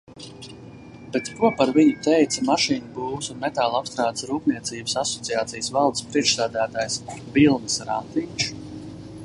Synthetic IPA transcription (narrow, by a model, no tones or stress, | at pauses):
b̥ɛt̪kuɔpaɾviɲit̪ɛjt̪samaʃiːnɐbuːsunmɛt̪aːlˠapst̪ɾaːd̪sɾuːpniɛt̪siːbəsasɔt̪sijaːt̪sijsvalˠd̪spɾiɛkʃsæːd̪æːt̪aːjsvilˠnɨsɾa̰nt̪iːt͡ʃ